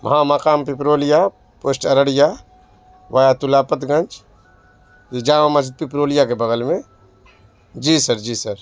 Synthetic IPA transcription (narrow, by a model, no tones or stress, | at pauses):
mʔɐ̰ɦamɐkaːmpipɾoːlija | poːsʈɐɾəɽija | ʋajat̪ʊlaːpət̪ɡɐ̃nt͡ʃ | jid͡ʒãːmamɐd͡ʒɪt̪̚pipɾoːlijakebɐɡəlmẽ | d͡ʒiːsɐɾd͡ʒiːsɐɾ